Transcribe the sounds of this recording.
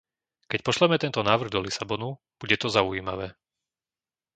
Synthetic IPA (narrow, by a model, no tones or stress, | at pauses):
kɛc̚pɔʃlɛmɛt̪ɛnt̪ɔnaːʋr̩ɣd̪ɔlisabɔnu | b̥uɟɛt̪ɔzaujiːmaʋɛː